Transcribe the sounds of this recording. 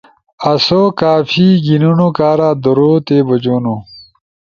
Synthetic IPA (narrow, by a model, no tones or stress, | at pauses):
ɐsokaːfiːɡinunokaːɾaːd̪ɐɾoːt̪eːbɐd͡ʑoːnu